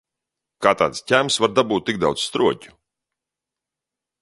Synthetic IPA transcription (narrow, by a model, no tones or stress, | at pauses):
kaːt̪a̰ːt̪scʲæmsvaɾd̪abuːt̪̚ːik̚d̪a̰wd̪z̥st̪ɾuɔcʲu̥